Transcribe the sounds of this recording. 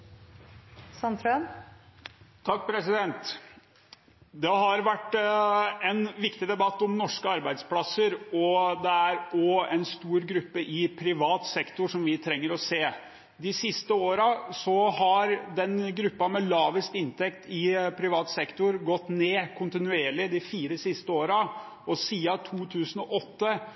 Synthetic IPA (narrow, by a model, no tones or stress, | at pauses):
sɑnt̪ɾøn | t̪ʰɑk̚ːpʰɾɛsɪd̪ɛnt̪ | d̪ɛɦɑɾʋæʈː | ɛnʋɪkt̪ɪd̪ɛbɑt̪ːɔmnɔʂkəɑɾbæɪd̪splɑsəɾɔd̪ɛæɾɔɛnst̪uːɾɡɾʉpːəʔɪpʰɾɪʋɑːt̪sɛkt̪ʊʂɔmʋɪt̪ʰɾɛŋːəɾɔseː | d̪ɪsɪst̪əoːɾɑsɔhɑɾd̪ɛnɡɾʉpːɑmɛlɑːʋəst̪ɪnt̪ʰɛkt̪ʰɪpʰɾɪʋɑːt̪sɛkt̪ʊɾɡɔt̪ːneːkʰʊnt̪ɪnʉeːɭɪd̪ɪfiːɾəsɪst̪əoːɾɑ | ɔsiːɑt̪ʰuːt̪ʰʉːsənɔʔɔt̪ːə